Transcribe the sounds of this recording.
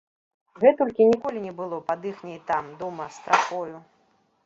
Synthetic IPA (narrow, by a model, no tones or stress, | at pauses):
ɣɛt̪ɔlʲkʲinʲikɔlʲinʲɛbɨlˠɔpad̪ɨxnʲɛjt̪amd̪ɔmɐst̪ɾaxɔju